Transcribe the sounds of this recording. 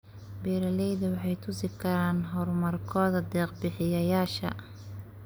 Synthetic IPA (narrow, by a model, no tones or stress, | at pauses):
bɛːɾɐlɛjðɐwɑħɑjt̪ʰʊsɪkʰɐɾaːnɦɔrmɐrkʰɔːðɐd̪ɛːqbɪħɪjɐjaːʃɐ̰